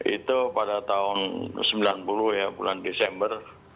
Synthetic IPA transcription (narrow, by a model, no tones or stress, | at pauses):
ḭt̪upadat̪aʊnsəmbilanpuluhjabulandesɛmbər